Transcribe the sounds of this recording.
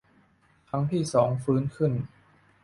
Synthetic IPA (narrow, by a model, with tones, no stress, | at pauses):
t̪ʰa˦˥ŋt̪ʰiː˥˩sɔː˩˦ŋfɯː˦˥nkʰɯ˥˩n